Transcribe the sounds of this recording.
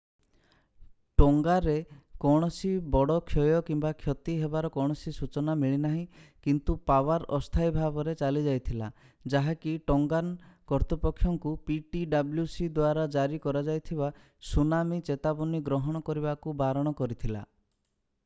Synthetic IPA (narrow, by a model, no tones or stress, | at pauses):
ʈɔŋɡaɾekɔɽ̃ɔsibɔɽɔkʰjɔjɔkimbakʰjɔt̪iɦebaɾɔkɔɽ̃ɔsisut͡ʃɔnamiɭinaɦĩkint̪upawaɾɔst̪ʰajbʱabɔɾet͡ʃalid͡ʒajt̪ʰila | d͡ʒaɦakiʈɔŋɡankɔɾt̪ipɔkʰːjɔŋkupiʈiɖabljusid̪waɾad͡ʒaɾikɔɾad͡ʒajt̪ʰiba | sunamit͡ʃet̪abɔniɡɾɔɦɔɽ̃ɔkɔɾibakubaɾɔɽ̃ɔkɔɾit̪ʰila̰